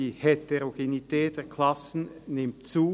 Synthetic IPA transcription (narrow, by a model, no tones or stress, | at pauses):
iːheteʁoɡ̥enitɛːt̚d̥eːɐkʰl̥asn̩nɪmtt͡suː